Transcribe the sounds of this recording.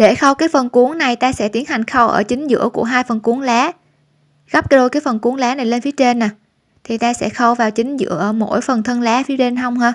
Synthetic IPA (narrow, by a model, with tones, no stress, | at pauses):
ɗe˧˩xə˧wkaː˨˦jfə˨˩nku˨˦əŋna˨˩jt̪aː˧sɛ̰˧˥t̪i˨˦ənha˨˩jŋ̟xə˧wʔə̰ː˧˩t͡ɕï˨˦ŋ̟zɨ̰˧˥əkṵ˧˩əɦaː˧jfə˨˩nku˨˦əŋlɛː˨˦ | ɣa˦˥p̚kɗo˧jkaː˨˦jfə˨˩nku˨˦əŋlɛː˨˦na˨˩jle˧nfi˨˦ət͡ɕe˧nːa˨˩ | t̪ʰi˨˩t̪aː˧sɛ̰˧˥xə˧wvaː˨˩wt͡ɕï˨˦ŋ̟zɨ̰˧˥əʔəː˧˩mo̰˧˥jfə˨˩nt̪ʰə˧nlɛː˨˦fi˨˦əɗe˧nhə˧wŋ͡mhaː˧